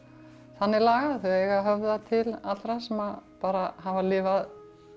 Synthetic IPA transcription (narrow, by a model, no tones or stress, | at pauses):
θanːɛlaːɣaðθɛɛɣaɦœvðat̪ʰɪlat̪ɾasɛmapaːɾaɦavalɪːvað